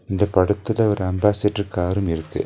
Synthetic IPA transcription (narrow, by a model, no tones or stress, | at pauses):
ɪnd̪ɐpɐɽɐt̪ːɯlɐɔɾɯɐmbaːseʈːrɯkːaːɾɯmɪɾɯkːɯ̰